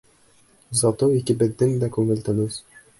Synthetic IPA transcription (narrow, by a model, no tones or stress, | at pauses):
zɒt̪oikɘbɘ̆ðːɘŋd̪ækʉŋɘ̆lt̪ɘnʉz